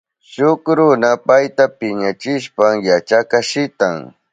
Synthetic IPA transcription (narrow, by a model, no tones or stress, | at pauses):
ʃʊkɾʊnapajt̪apɪɲat͡ʃɪʃpamjat͡ʃakaʃɪt̪aŋ